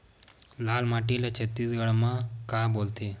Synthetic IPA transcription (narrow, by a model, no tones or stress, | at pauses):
lalmaʈiljat͡ɕʰət̪ːiːsɡəɭmakabolt̪e